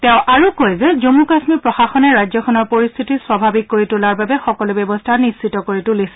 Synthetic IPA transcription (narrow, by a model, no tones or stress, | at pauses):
tɛʊ̃ʔaɹukojzɛzomukasmipɹɔxaxɔnɛɹajzɔkʰɔnɔɹpoɹist̪ʰitiswabʱabikːoɹitʊlaɹbabɛxɔkɔlʊbjɛbɔstʰanisːitɔkoɹitulisɛ̥